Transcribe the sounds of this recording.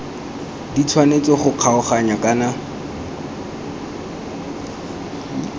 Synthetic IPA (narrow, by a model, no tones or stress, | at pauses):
dit͡sʰwanet͡sɔχʊq͡χʰaʊχaɲakʼana